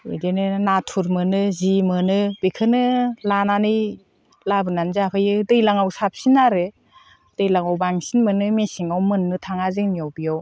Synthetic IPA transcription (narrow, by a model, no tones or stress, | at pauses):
ɯdenɯnatʰuɾmɯnɯzimɯnɯbekʰɯnɯlananɯj | labɯnanzapʰajɯdɯjlaŋawsap̚sinaɾɯ | d̥ɯjlaŋawbaŋsinmɯnɯmesiŋawmɯnːɯtʰaŋazɯŋnijawbijaw